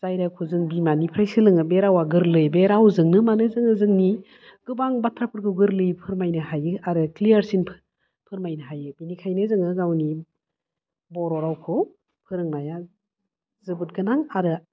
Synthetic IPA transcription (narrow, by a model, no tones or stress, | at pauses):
zajɾakʰuzɯŋbimanipʰɾajsilɯŋɯbeɾawaɡɯɾlɯjbeɾawzɯŋnɯmanɯzɯŋɯzɯŋni | ɡ̥ɯbaŋbatʰɾapʰɯɾɡɯwɡɯɾlɯjpʰɯɾmajnɯhajɯaɾɯklijaɾsinpʰ | pʰɯɾmajnɯɦajɯbinikʰajnɯzɯŋɯɡawni | bɔɾɔɾawkʰɯw | pʰɯɾɯŋmaja | zɯbɯt̚ɡɯnaŋaɾɯ